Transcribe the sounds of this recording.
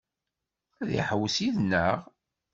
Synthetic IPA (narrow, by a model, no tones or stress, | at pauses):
æðḭħəwːsiðnəʁ